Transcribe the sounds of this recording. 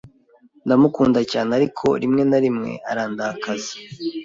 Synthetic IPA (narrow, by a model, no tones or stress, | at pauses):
ndamukuːndacaːneaɾikʰo̞̰ɾimŋe̞naɾimŋe̞̰aɾaːndahakazi̥